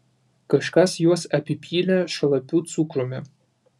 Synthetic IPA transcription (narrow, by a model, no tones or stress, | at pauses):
kɐʃkɐsjuɔsɐpʲipʰʲiːlʲæʃɐlˠɐpʲuːt̪sukɾomʲɛ